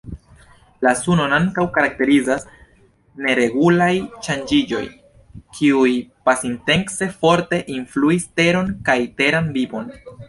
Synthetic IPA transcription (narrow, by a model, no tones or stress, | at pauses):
lasuno̞naŋkawkaɾak̚te̞ɾizas | ne̞ɾe̞ɡulajʃand͡ʒid͡ʒo̞̰j | kʰiujpasinte̞ŋkse̞fo̞ɾte̞ʔinfluiste̞ɾo̞nkajte̞ɾanbibo̞n